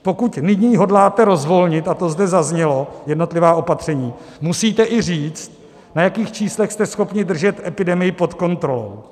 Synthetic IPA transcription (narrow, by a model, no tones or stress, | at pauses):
po̞kut̪nɪɲiːɦo̞dlaːt̪ɛɾo̞zvo̞lɲɪt̪at̪o̞zdɛzazɲɛlo̞jɛdno̞t̪lɪvaːʔo̞pat̪r̝̥ɛɲiːmusiːt̪ɛʔɪr̝iːt͡st̪̚ | najakiːxt͡ʃiːslɛxst̪ɛsxo̞pɲɪd̪r̩ʒɛt̪ɛpɪdɛmɪjɪpo̞t̪ko̞nt̪ɾo̞lo̞̰w